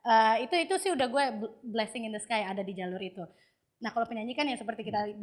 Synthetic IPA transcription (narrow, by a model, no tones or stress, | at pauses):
ʔəːit̪uit̪usɪhudahɡuɛbblɛsɪŋɪnd̪əskajadadid͡ʒalʊɾit̪u | nahkalawpəɲaɲikanjaŋsəpərt̪ikit̪a